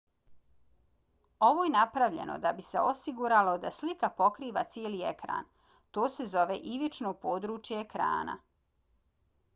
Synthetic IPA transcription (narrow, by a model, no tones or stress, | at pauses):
o̞ʋo̞jenapɾaʋʎe̞̰no̰d̪abiseosiɡuɾalo̞d̪aslikapo̞kɾiːʋa̰t̪sjieːliekɾa̰ːn | t̪o̞ːse̞zo̞ʋḛʔiʋit͡ʃnopo̞ːd̪ɾuːt͡ʃjeːkɾa̰ːna̰